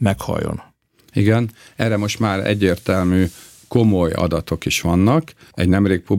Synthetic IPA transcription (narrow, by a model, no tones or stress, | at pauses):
mɛkhɒ̰jːo̰n | iɡɛnɛːrɾɛmoʃt̪maːɾɛ̰ɟːeːrt̪ɛlmyː | ko̞mo̞jɒ̰d̪ɒt̪o̞kiʃʋɒnːɒk | ɛɟnɛmreːk̚pub